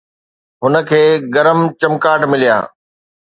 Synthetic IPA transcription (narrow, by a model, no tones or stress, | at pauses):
ɦʊnə̆kʰeːɡɐɾəmt͡ɕɐmkaːʈmɪlija̰ː